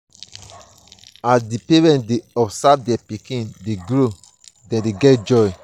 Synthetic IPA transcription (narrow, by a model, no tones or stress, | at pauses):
asdipeɹɛ̃ntdeɔbsavdiapikĩndeɡɹo | dɛ̃deɡɛt̚d͡ʒɔj